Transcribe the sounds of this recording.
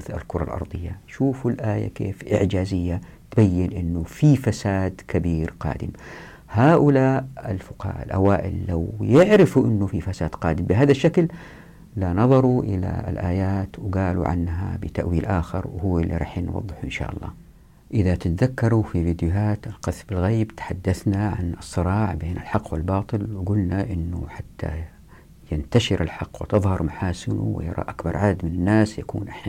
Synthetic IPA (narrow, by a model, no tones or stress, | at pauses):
θa̰lkʊɾˤɑ̰lʔɑ̰ɾˤd̪ˤɨjːaʃuːfulʔaːja̰kḛːfʔɪ̰ʕd͡ʒaːzɪjːat̪bajːɪnʔɪnːufifasaːd̪kabiːɾqɑ̰ːd̪ɪm | haːʔʊlaːʔɪlfʊqːa̰lʔa̰waːʔɪlːawjɪʕɾɪfuʔɪnːufifasaːd̪qɑːd̪ɪmbɪɦaːðaʃːakl | lanɑðˤɑɾˤuʔɪla̰lʔaːjaːt̪wɡaːlṵʕa̰nːɦa̰bɪt̪aʔwiːlʔaːxɪɾwhʊwːɪlːḭɾˤɑ̰ːħnwɑ̰ðˤːɨħuʔɪnʃa̰ːʔɑlˤːɑ̰ː | ʔɪðat̪ɪt̪aðakːɑɾˤufiviːd̪jʊɦaːt̪ɪlqɑθbɪlɣeːbt̪ḁħad̪ːaθnaʕa̰nɨsˤːɨɾˤɑːʕbeːnʔɪlħɑqːwɪlbɑːt̪ˤɨlwɪɡʊlnaʔɪnːʊħat̪ːa̰ | jɪnt̪aʃɪɾɪlħɑqːwɪt̪ɨðˤhɑɾˤmaħaːsɪnṵwɪ̰jɑ̰ɾˤɑ̰ʔakbɑɾˤʕad̪ad̪mɪnanːaːsjakṵːnʔɪħna